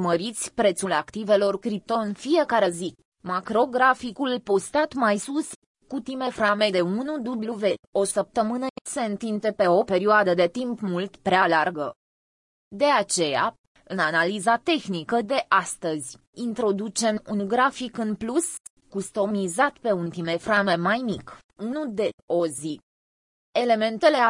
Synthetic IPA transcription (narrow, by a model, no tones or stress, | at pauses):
məɾit̪sʲpɾe̞t̪sulakt̪ive̞lo̞rkɾip̚t̪oɨnfije̞kaɾe̞zi | makɾo̞ɡɾafikulpo̞st̪at̪majsus | kut̪ime̞fɾame̞d̪e̞unud̪ubluve̞o̞səp̚t̪əmɨnəse̞ɨnt̪int̪e̞pe̞o̞pe̞ɾioad̪əd̪e̞t̪impmult̪pɾealarɡə | d̪e̞at͡ʃe̞ja̰ | ɨnanalizat̪e̞xnikəd̪e̞ʔast̪əzʲ | int̪ɾo̞d̪ut͡ʃe̞munɡɾafikɨnplus | kust̪o̞mizat̪pe̞unt̪ime̞fɾame̞majmik | unud̪e̞o̞zi | e̞le̞me̞nt̪e̞le